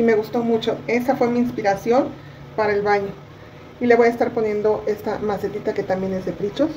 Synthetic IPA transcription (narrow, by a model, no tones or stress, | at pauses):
ime̞ɣust̪o̞mut͡ʃo̞e̞safwe̞miːnspiɾasjo̞n | paɾaelβaɲo̞ | ileβo̞jaest̪aɾpo̞nje̞nd̪o̞ʔe̞st̪amaset̪it̪ake̞t̪ambje̞ne̞zðe̞pɾit͡ʃos